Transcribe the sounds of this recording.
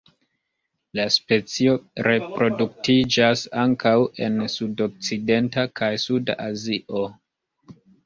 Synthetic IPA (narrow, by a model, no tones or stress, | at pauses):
laspe̞t͡sio̞ɾe̞pɾo̞duktid͡ʒasaŋkawe̞nsudo̞k̚t͡side̞ntakʰajsuda̰ʔaziʔo̞